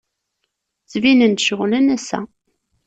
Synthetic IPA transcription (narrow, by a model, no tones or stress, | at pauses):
t͡sːvinənt̪ʃəʁlænæsæ̰